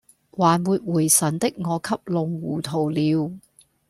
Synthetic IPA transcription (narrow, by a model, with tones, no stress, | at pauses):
waː˨˩nwuː˨˧t̚wuː˨˩jsɐ˨˩nt̪ɪ˥k̚ŋɔː˨˧kʰɐ˥p̚lʊ˨˧ŋwuː˨˩t̪ʰo˨˩wliː˨˧w